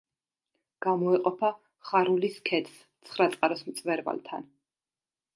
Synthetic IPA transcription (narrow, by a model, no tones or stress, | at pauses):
ɡ̥amɔɛqʼɔpʰa | χaɾuliskʰɛt̪ʰs | t̪sʰχɾat̪sʼqʼaɾɔsmt̪sʼvɛɾva̰lt̪ʰan